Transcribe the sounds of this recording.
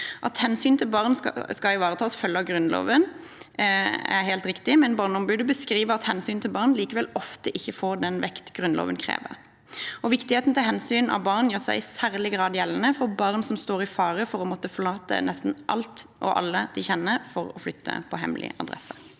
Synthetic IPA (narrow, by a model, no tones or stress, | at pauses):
ʔɑt̪hɛnsyːnt̪ʰɪlbɑʁnskɑɪʋɑːʁət̪ʰɑːsfœlːəɡɾʉnlo̰ːʋən | æ̰ɾɦeːlt̪ʁɪkt̪ɪmɛnbɑːʁnɔmbʉːd̪əbəskɾiːʋəɑt̪hɛnsyːnt̪ʰɪlbɑʁnliːkəʋɛlɔft̪əʔɪçːəfoːʁd̪ɛnʋɛkt̪ɡʁʉnlo̰ːʋənkʰɾḛːʋə̰ʁ | ɔʋɪkt̪ɪheːt̪n̩t̪ʰɪlɦɛnsyːnɑ̰ʋbɑʁnjøːʁsæ̰ɪsæʁlɪɡʁɑːd̪jɛlːnəfɔʁbɑʁnsɔmst̪oːʁɪfɑːʁəfɔɾɔmɔt̪ːəfɔʁlɑːt̪ə̰nɛst̪n̩ʔɑ̰lt̪ʔɔ̰ʔɑ̰lːəd̪̥ɪçɛnːəfɔɾɔflʏt̪ʰːə̰pʰɔɦɛ̰mlʔɪ̰ʔɑ̰d̪ʁɛ̰sːə